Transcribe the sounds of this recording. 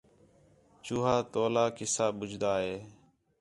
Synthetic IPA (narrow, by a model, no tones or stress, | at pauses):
t͡ʃuːɦaːt̪oːlaːkɪsaːɓʊd͡ʒʱd̪aːɦeː